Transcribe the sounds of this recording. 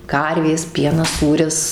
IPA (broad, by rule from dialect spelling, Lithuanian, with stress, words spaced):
ˈkɐrʲʋʲeːs ˈpʲiɛnɐs ˈsuːrʲɪs